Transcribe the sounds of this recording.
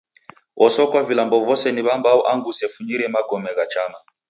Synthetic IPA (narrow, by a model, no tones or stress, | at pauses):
ʔɔsɔkwavilambɔvɔsɛniβambaɔʔaŋɡusɛfuɲiɾɛmaɡɔmɛɣat͡ʃama